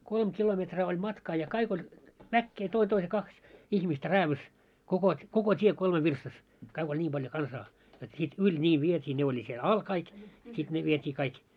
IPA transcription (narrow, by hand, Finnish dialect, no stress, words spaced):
kolm kilometrɑː olʲ mɑtkɑː jɑ kɑik olʲ ʋækːeː toin toise kɑks ihmistæ ræːʋys kokot koko tie kolme ʋirstɑs kɑik olʲ nʲiːm b̥ɑljo kɑnsɑː jot sit ylʲ nʲiː ʋietʲiː ne olʲi siel ɑl kɑik sit ne ʋietʲiː kɑik